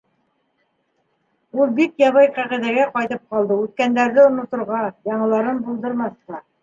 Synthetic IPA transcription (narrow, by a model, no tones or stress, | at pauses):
ulˠbikjɑβɤjqæʁĭðæɡæqɑjt̪ɤp̚qɑlˠd̪ɤʉt̪̚kænd̪æɾðɘŏnŏt̪ŏɾʁɑjɑɴɤ̆lˠɑɾɤnbulˠd̪ɤ̆ɾmɑθq̪ɑ